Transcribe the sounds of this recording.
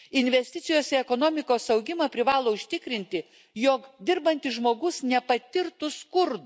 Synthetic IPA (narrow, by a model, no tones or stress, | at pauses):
ɪnʲʋʲɛsʲt̪ʲɪt̪sʲɪjoːsʲɛɛkoːnoːmʲɪkoːsɐʊɡʲɪmɐpʲɾʲɪʋɑːlˠoːʊʃʲt̪ʲɪkɾʲɪnʲt̪ʲɪ | joːkd̪ʲɪɾbɐnʲt̪ʲɪʒmoːɡʊsnʲɛpɐt̪ʲɪɾt̪ʊskʊɾd̪ʊ